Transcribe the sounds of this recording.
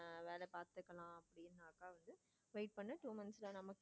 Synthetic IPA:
ʋeːlɛpaːɾt̪ɯkːɐlãːɐpːɐɽɪɪɾɯnd̪aːkaːʋɐnd̪ɯ | ʋɐɪʈ̚pɐɳːɐʈuːmɐnsɪlɐnɐmɐkː

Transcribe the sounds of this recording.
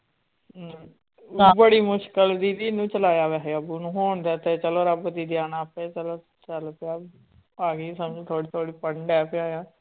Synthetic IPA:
bəɽiːmʊʃkəld̪iːd̪iːnũːt͡ʃəlaːjaːʋɛːɦeəbunũːɦoːɳd̪eːt̪eːt͡ʃəloːɾəbd̪iːd̪iaːnaːpeːt͡ʃəloː | t͡ʃəlpɪaː | aːɡiːsəmd͡ʒt̪ʰoːɽiːt̪ʰoːɽiːpəɳɖɛːpʰɪaːjãː

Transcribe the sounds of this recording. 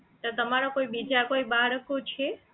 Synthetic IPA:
t̪ot̪əmaɾokoibid͡ʒakoibaɾəkot͡ʃʰe

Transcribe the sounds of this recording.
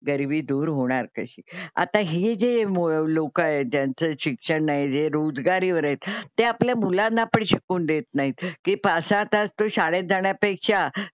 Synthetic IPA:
ɡəɾʋiːd̪uːɾɦoɽ̃aɾkəɕiːa̰t̪aɦid͡zemolokaed͡ʑjant͡səɕikʂəɳːajed͡zeɾod͡zɡaɾiːʋəɾət̪t̪ːeapljamulãnːapəɳɕikuːnd̪et̪naɦit̪kiːpasãt̪ast̪oɕaɽed͡zaɳjapekʂa

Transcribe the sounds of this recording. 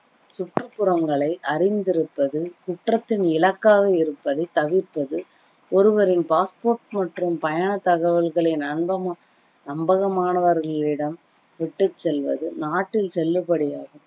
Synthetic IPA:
sʊʈrɯpːɯɾɐmɡɐɭɐɪʔɐɾɪnd̪ɪɾɯpːɐðɯkʊʈrɐt̪ːɪnɪlɐkːaːɣɐɪɾɯpːɐðɐɪt̪ɐʋɪpːɐðɯ | ɔɾɯʋɐɾɪnpaːspoːrʈmɐʈrɯmpɐjaːɳɐt̪ɐɣɐʋɐlɣɐɭɐɪnɐnbɐm | nɐmbɐɣɐmaːnɐʋɐɾɣɐɭɪɽɐm | ʋɪʈːɯt͡ʃːɛlʋɐ̰ðɯnaːʈːɪlsɛlːɯpɐɽɪjaːɣɯ

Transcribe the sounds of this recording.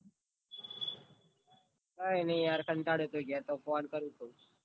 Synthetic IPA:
kaːeːnẽːjaːɾkʰənʈaːɽeːt̪oːɡjaːt̪oːfoːnkəɾũːt̪oː

